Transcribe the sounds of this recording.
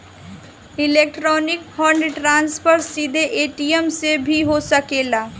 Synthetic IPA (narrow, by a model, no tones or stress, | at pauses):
ɪleːk̚ʈɾɔːnɪkhɔ̃ːɳɖɾʈɾãːnspʰəɾsiːd̪ʱeʔeːʈijəmsebʱiɦosəkeːlaː